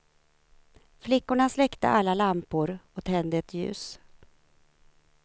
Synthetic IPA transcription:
flɪkːʊɳaslɛkt̪ə̰ʔalːalampʊɾɔt̪ʰɛnd̪ɛt̪ʰjʉ̟̰ːs

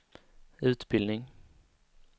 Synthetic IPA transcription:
ʉːt̪bɪlnɪŋ

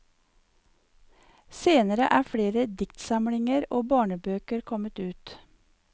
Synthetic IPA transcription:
seːnəɾəʔæːfɽeːɾəd̪ɪkt̪sɑmɽɪŋəɾoːbɑːɳəbøːkəɾkʰɔmət̪ʉːt̪

